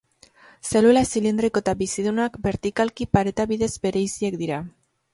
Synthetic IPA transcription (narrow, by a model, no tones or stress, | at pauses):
se̞lulasilind̪ɾikoet̪aβisiðunakbe̞ɾt̪ikalkipaɾe̞t̪aβiðe̞zbe̞ɾe̞jsie̞kd̪iɾa